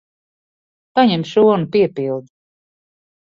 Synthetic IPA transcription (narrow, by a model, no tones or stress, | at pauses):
paɲɛmʃuɔnupiɛpilˠd̪